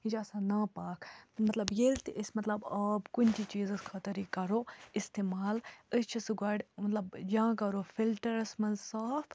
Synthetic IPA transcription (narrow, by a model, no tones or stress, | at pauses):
id͡ʒaːsãːnaːpaːkʰmɐt̪lɐbjelt̪iʔəsʲmɐt̪lɐbɐbkunʲt̪ʰit͡ʃiːzɐskʰɐt̪ɐɾikɐɾoːist̪eːmaːləst͡ʃʰisɨɡaːɖmɐt̪lɐbjãːkɐɾoːfilʈɐɾɐsmɐnzsaːfʰ